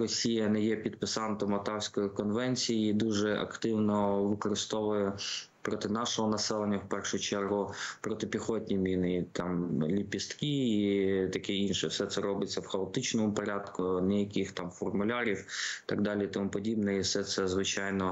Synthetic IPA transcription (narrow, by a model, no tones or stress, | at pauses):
rɔsʲijɐnɛjɛpʲid̪pɪsɑnt̪ɔmɔt̪ɑwsʲkɔjikɔnʋɛnʲt͡sʲijid̪uʒɛɐ̰kt̪ɪwnɔʋɪkɔɾɪst̪ɔʋʊjɛ | pɾɔt̪ɪnɑʃɔɦɔnɐsɛlˠenʲːɐwpɛrʃʊt͡ʃɛrɦʊpɾɔt̪ɪpʲixɔtʲnʲimʲinɪt̪ɑmlʲipʲist̪kiit̪ɐkiinʃɛfsɛt̪sɛɾɔbɪt͡sʲːɐwxɐɔt̪ɪt͡ʃnɔmʊpɔɾʲɑd̪kʊnɛjɐkʲixt̪ɑmfɔrmʊlʲɑɾʲiwt̪ɑɡd̪ɑlʲit̪ɔmupɔdʲibnɛifsɛt̪sɛzʋɪt͡ʃɑjnɔ